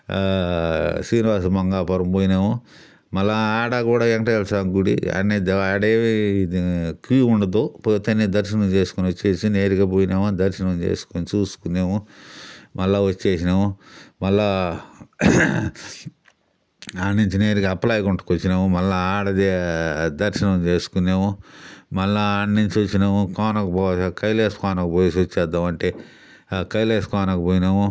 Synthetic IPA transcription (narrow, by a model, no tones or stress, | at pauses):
sɾiːniʋaːsɐmɐŋɡaːpɐɾɐmpoːjneːmu | mɐlːaaːɽakuːɽaːeŋkɐʈɐɐlsaːŋɡuɽḭɐ̰nːed̪aːɖeː | kʋiːuɳɖɐd̪oːpoːt̪ɐned̪ɐɾʃinɐmt͡ʃeːsu̥kuniot͡ʃːeːsineːɾikɐpoːjineːmad̪ɐɾʃinɐmt͡ʃḛːsu̥kont͡ʃuːsu̥kunːeːmu | mɐlːaʋot͡ʃːeːsinɐmumɐlːa | ɐɳɖiɲt͡ʃineːɾikɐpːlaːjkuɳʈu̥kot͡ʃːinɐmumɐlːaaːɽɐd̪ed̪ɐɾʃɐnɐmt͡ʃe̞ːsu̥kunːeːmumɐlːɐːɳɖiɲt͡ʃot͡ʃːinɐmukɔːnɐkɐpːkɐjleːskɔːnɐkupoːjsɐt͡ʃːɛːd̪ːaːmɐɳʈe̞ː | kɐjleːskɔːnɐkɐpoːjinɐmu